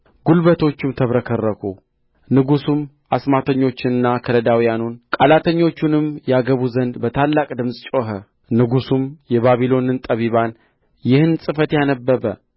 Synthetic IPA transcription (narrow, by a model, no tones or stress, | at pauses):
ɡ̥ulbət̪ʰo̞t͡ʃːɪmt̪ʰəβɾəkʰərːəkʰṵ | nɨɡusum | ʔasmat̪ʰəɲːo̞t͡ʃːɪnɨnːakʰələd̪awijanunkʼalat̪ʰəɲːo̞t͡ʃːunɨmjɛaɡəβuzənd̪bət̪ʰalːakʼd̪ɨmsʼt͡ʃʼoɦə | nɨɡusumjɛβaβilo̞nɨnt̪ʼəβiβan | jɪhɨnsʼɨfət̪janəbːəbə